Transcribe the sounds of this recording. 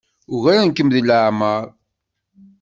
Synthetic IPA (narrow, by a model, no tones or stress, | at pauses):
ʊɣaɾænkːəmðələʕməɾˤ